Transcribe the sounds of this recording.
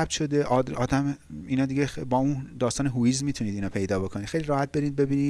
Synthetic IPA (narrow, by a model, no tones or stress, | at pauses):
b̚t̪ʃo̞d̪eʔɒd̪ɒːd̪æmiːnɒːd̪iɟebɒːuːnd̪ɒːst̪ɒːneɦuiːzmiːt̪ʰuniːd̪iːnɒːpʰejd̪ɒːbo̞kʰo̞ni̥ːxejliɾɒːhæt̪̚be̞ɾiːd̪̚be̞biːniː